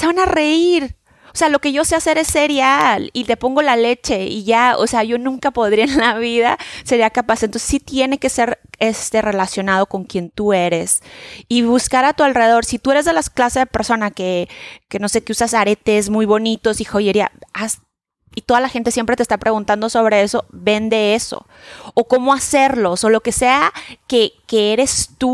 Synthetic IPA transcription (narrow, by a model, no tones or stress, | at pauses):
se̞βanare̞iɾ | ose̞alo̞ke̞ʝo̞sease̞ɾe̞sːe̞ɾjalit̪e̞po̞ŋɡo̞lale̞t͡ʃe̞iʝao̰seaʝo̞nũŋkapo̞ðɾiaenlaβ̞iða̰se̞ɾiakapasent̪onsesit̪je̞ne̞ke̞se̞ɾest̪e̞re̞lasjo̞nað̞o̞ko̞ŋkjent̪ue̞ɾe̞siβuskaɾat̪ualre̞ðeðo̞ɾsit̪ue̞ɾe̞zðe̞lasklase̞zðepe̞ɾso̞nake̞ke̞no̞se̞k̪eusasaɾe̞t̪e̞s̬mujβo̞nit̪o̞sixoðeɾia̰as | it̪o̞ðalaxe̞nt̪esjempɾet̪est̪apɾe̞ɣunt̪and̪o̞so̞β̞ɾe̞e̞so̞βe̞nd̪e̞e̞so̞̰ | oko̞mo̞ase̞ɾlo̞so̞lo̞ke̞se̞ake̞kee̞ɾe̞st̪u